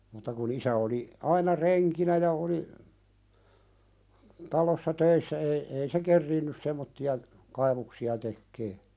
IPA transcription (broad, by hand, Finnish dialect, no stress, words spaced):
mutːɑ kun isæ oli ɑinɑ reŋkinæ jɑ oli tɑlosːɑ tøisːæ ei ei se kerːiːnːys semːotːiɑ kɑiʋuksiɑ tekːeː